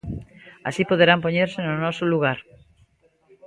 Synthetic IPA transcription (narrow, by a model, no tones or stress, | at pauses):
a̰sipoðeɾampoɲeɾsenonɔsoluɣ̞aɾ